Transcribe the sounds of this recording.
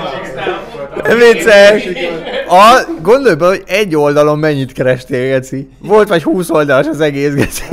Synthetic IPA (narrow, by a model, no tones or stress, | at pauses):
ɛmeːt̪sɛk | ɒɡo̞nd̪ojbɛho̞ɟɛɟːo̞ld̪ɒlo̞mːɛɲːit̪kɛɾɛʃt̪eːɡɛsi | vo̞lt̪ʋɒchuːso̞ld̪ɒlʃɒzɛɡeːsɡɛsi̥